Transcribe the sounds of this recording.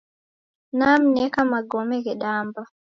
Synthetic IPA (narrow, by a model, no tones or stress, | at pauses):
nam̩nɛkamaɡɔmɛɡɛɗaːmba